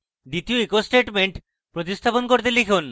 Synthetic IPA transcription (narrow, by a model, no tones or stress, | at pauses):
d̪it̪ioekosʈeʈmeɳʈ | pɾot̪ist̪ʰaponkoɾt̪̬elikʰun